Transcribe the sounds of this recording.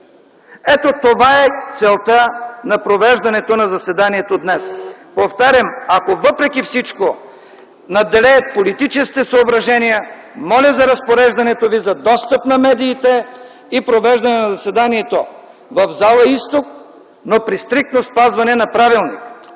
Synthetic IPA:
ɛt̪ot̪ovaɛt̪sɛlˠt̪anɐpɾovɛʒd̪ɐnɛt̪onɐzɐsɛd̪aniɛt̪od̪nɛspoft̪aɾʲɐmakovəpɾɛkʲifsit͡ʃko | nɐd̪ɛlɛːt̪̚polit̪it͡ʃɛskʲit̪ɛsɐobɾɐʒɛnijəmɔlʲɐzɐɾɐspoɾɛʒd̪ɐnɛt̪ovizɐd̪ɔst̪əpnɐmɛd̪iːt̪ɛ | ipɾovɛʒd̪ɐnɛnɐzɐsɛd̪aniɛt̪o | vɐvzalˠəist̪ok̚ | nopɾist̪ɾik̚t̪nospazvɐnɛnɐpɾavilˠnḭk

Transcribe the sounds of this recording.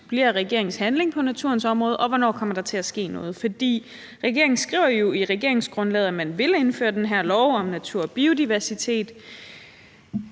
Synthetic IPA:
b̥liɐ̰ʁɛɡ̥e̝ɐ̰e̝ŋn̩shænle̝ŋpʰɒ̽næt͡sʰuɐ̰nsɒ̽mʁɔ̽ːð̩ˠʔɒ̽ʋɒnɒ̰ːkʰɒ̽m̰ɐd̥ɑ̈t͡sʰe̝æsɡ̥e̝̰ːnɔ̽ːð̞̩ˠfɒ̽d̥ḭː | ʁɛɡ̥e̝ɐeŋn̩sɡ̥ʁḭʊɐjo̝iʁɛɡ̥e̝ɐe̝ŋsɡ̥ʁɔ̽nlɛð̞̩ˠæmænʋe̝le̝nfø̰ːɐd̥enɦæɐ̰lɒʊɒ̽mnæt͡sʰuɐ̰ɒb̥io̝d̥iʋæɐsit͡sʰe̝̰ːd̥

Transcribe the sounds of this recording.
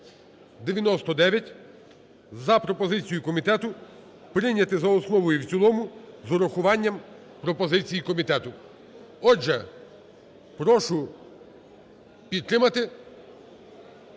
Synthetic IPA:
d̪eʋʲjɐnɔst̪ɔd̪ɛʋʲjɐtʲ | zɐpɾɔpɔzɪt͡sʲijʊkɔmʲit̪ɛt̪ʊ | pɾɪnʲɐt̪ɪzɐɔsnɔʋɔjuwt͡sʲilˠɔmʊzɔɾɐxʊʋɑnʲːɐm | pɾɔpɔzɪt͡sʲijikɔmʲit̪ɛt̪ʊ | ɔd͡ʒɛ | pɾɔʃʊ | pʲid̪̚t̪ɾɪmɐt̪ɪ

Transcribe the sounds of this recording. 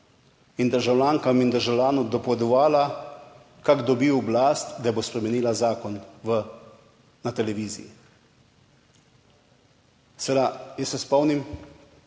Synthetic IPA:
ind̪əɾʒawlʲaːŋkamind̪əɾʒawlʲaːnɔd̪ɔpɔʋɛd̪ɔʋaːla | kaɡd̪ɔbiːwɔblaːst̪d̪ajbospɾɛmɛniːlazaːkɔnʋə | nat̪ɛlɛʋiːzḭjḭ | sed̪ajəsːɛspɔwnim

